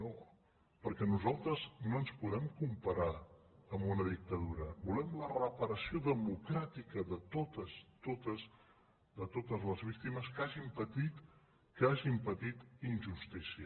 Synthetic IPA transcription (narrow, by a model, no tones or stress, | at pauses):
no | pəɾkɛnuzalˠt̪ɾəznoənspuðɛmkumpəɾaəmbunəðik̚t̪əðuɾəbulɛmlərəpəɾəsioðəmukɾat̪ikəðət̪ot̪əst̪ot̪əs | d̪ət̪ot̪əzləzβik̚t̪iməskaʒimpət̪it̪ | kəaʒimpət̪it̪inʲʒust̪isiə